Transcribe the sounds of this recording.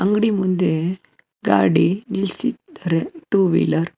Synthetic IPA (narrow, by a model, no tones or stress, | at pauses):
ɐŋɡɽimʊnd̪ɯ | ɡa̰ːɖinɪlsit̪ɐɾɯʈuːʋḭːlɐɾ